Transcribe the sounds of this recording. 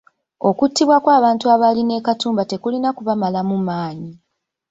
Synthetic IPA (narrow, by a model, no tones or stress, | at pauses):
o̞kutʰːiβwakwaːβaːntuaβaline̞ːkatuːmbate̞kulinakuβamalamumaːɲi